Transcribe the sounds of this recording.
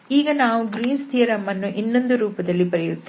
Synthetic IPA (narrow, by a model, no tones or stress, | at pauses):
iːɡɐnaːʋuɡɾiːnst̪ʰijɐɾɐmːɐnːuʔinːo̞nd̪uɾuːpɐd̪ɐlːibɐɾɛjut̪ː